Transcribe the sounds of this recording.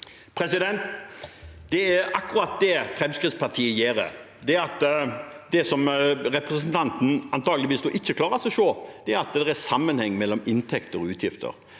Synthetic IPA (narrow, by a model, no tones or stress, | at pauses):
pʰɾɛsɪd̪ɛnt̪ | d̪ɛæɾɑkːʊɾɑt̪̚d̪ɛfɾɛmskʁɪt̪spɑt̪ʰiːəjeːɾə̰ | d̪ɛæɾɑt̪d̪ɛsɔmɾɛpɾɛsənt̪ʰɑnt̪n̩ɑnt̪ʰɑːɡəlɪʋiːsd̪ɔʔɪçːəkʰlɑːɾəsɛʃoːd̪̥ɛæɾɑt̪d̪ɛɾæɾsɑmːənhɛŋːmɛlːɔmɪnt̪ʰɛkt̪əɾɔʉːt̪ʰjɪft̪ə̰ɾ